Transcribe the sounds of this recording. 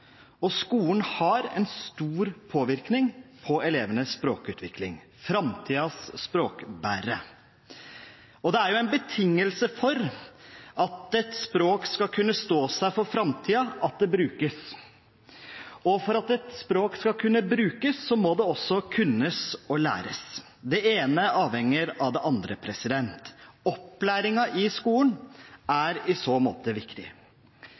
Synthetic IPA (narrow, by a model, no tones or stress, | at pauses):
ɔskuːn̩hɑɾɛ̰nst̪uːɾpʰoːʋɪɾknɪŋpʰɔɛleːʋənəsspɾoːkʉːt̪ʰʋɪklɪ̰ŋ | fɾɑmt̪ʰiːɑsːpɾoːkbæːɾə | ɔd̪ɛæɾjʊɛnbət̪ʰɪŋːəlsəfɔɾ | ɑt̪ɛt̪spɾoːkskɑkʰʉnːəst̪oːsæɪfɔɾfɾɑmt̪ʰiːɑɑt̪̚d̪ɛbɾʉːkəs | ɔfɔɾɑt̪ɛt̪spɾoːkskɑkʰʉnːəbɾʉːkəsːɔmɔd̪ɛɔsːɔkʰʉnːəsɔlæ̰ːɾəs | d̪ɛeːnəɑːʋhɛŋːəɾɑʋd̪ɛʔɑnd̪ɾəpʰɾɛsɪd̪ɛnt̪ɔplæːɾɪŋɑʔɪskuːlənæɾɪsoːmo̰ːt̪əʋɪkt̪ɪ̰